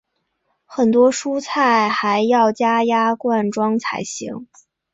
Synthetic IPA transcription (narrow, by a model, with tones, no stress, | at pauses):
xə˨˩nt̪wɔ˥ʂu˥t͡sʰa˥˩ɪxa˧˥ɪjɑ˥˩ʊt͡ɕja˥ja˥kwa˥˩nʈ͡ʂwɑ˥ŋt͡sʰa˧˩ɪɕḭ˧˥ŋ